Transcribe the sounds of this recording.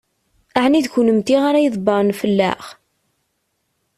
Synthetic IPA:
aʕniðçunəmt̪iʁaɾajəðˤbɑɾˤnfəlːæ̰χ

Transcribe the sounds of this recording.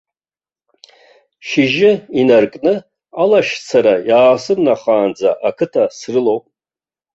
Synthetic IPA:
ʃiʒɪinarkʼnɨ | alaʃt͡sʰaɾajaːsɨrnaχaːnd͡za̰ʔakʰɨtʰasrɨlowpʼ

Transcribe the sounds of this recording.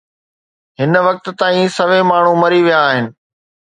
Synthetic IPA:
ɦɪnʋɐk̚t̪t̪aːĩsɐʋemaːɳ̤ũmɐɾiʋijaːɦɪnɪ̆

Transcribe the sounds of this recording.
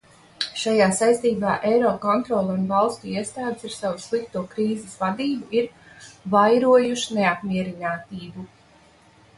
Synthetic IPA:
ʃajaːsajst̪iːbaːʔɛjɾɔːkɔnt̪ɾɔlˠunvalˠst̪uiɛst̪aːd̪ɪsiɾsawuslˠik̚t̪uɔkɾiːzɪsvad̪iːbuiɾ | vajɾuɔjuʃineapmʲiɛɾinaːt̪iːbu

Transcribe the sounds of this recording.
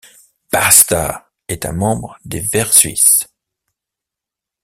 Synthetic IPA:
b̥ast̪a̰ | ɛt̪ɛ̰̃mɑ̃bʁd̪evɛʁsɥḭs

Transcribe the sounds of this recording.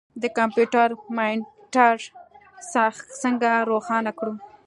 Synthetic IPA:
d̪əkampjuʈaɾmɑjn | ʈɑʐ | sasəŋɡaɾoxɑnakɽu

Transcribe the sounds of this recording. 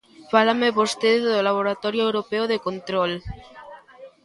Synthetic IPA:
falameβost̪eðezðolaβ̞oɾat̪oɾjoewɾopeoðekont̪ɾol

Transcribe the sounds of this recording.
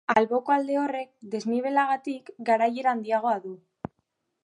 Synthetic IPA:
alβo̞koald̪e̞o̞re̞k̚d̪e̞zniβ̞e̞laɣ̞at̪ikɡaɾaje̞ɾand̪iaɣ̞o̞aðu

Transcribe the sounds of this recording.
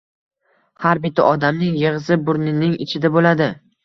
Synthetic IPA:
haɾbɪt̪ʰːaʔɒd̪amnɪŋjɨʁzɪbʊɾnɪnɪŋɪt͡ʃʰɪd̪abolad̪ɪ

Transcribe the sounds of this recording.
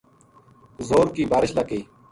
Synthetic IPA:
zoːɾkiːbaːɾɪɕlɐkiː

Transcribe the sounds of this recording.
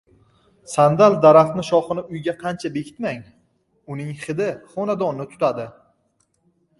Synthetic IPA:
sand̪alˠd̪aɾaχt̪nɪʃɒχɨnɪʊjɡʲaqʰɑnt͡ʃʰabekʲʰɪ̥t̪maŋ | ʊnɪŋχɪd̪ɪχɒnad̪ɒnnɪt̪ʰʊ̥t̪ʰad̪ɪ

